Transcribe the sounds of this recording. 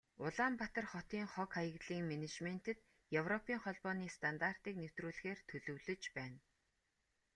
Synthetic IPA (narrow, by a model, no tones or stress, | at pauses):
ʊɮaːmpat̪ə̆rχɔt̪iːŋχɔkχajə̆ɣɮiːŋmenet͡ɕmen̥t̪ɘ̆t̪ | jewrɔpiːŋχɔɮpɔːniːst̪ʰant̪ar̥t̪iːk̚new̥t̪ruːɮɘ̆xeːrt̪ʰɵɮɵ̆wɮɵ̆t͡ɕpæːn